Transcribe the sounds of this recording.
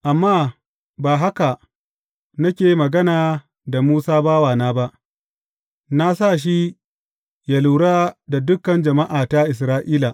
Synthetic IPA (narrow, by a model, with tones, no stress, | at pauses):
ʔa˨mːaː˦ | baː˨ɦa˦ka˨ | nɐ˦kʲeː˨ji˦mɐ˨ɡɐ˦naː˨ | da˨muː˦saː˦baː˦waː˨naː˦ba˦ʔ | na˦sa˦˨ʃ̬i˦ | ja˨luː˨ɽaː˦da˨dʊ˦kːɐ˨nd͡ʒɐ˨ma˦ʔaː˨ta˦ʔɪ˨s̬ɾaː˦ʔiː˦la˨